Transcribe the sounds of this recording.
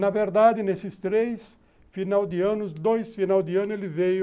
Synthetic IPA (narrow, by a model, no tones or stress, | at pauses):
nɐveɾd̪ad̪ɪnesɪst̪ɾejs | finawd̪ɪɐ̃nʊsd̪ojsfinawd̪ɪɐ̃nʊelɪvej